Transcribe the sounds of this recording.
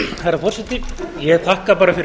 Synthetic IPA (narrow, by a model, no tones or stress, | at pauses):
hajɾafɔrsɛt̪ɪjɛɣt̪ʰahkapaːɾafɪɾ